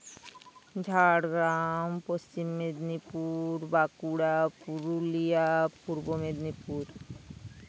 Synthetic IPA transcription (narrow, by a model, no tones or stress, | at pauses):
d͡ʑʱaɽɡɾampost͡ɕimːed̪nipuɾbakuɽapuɾulijapuɾbomed̪nipuɾ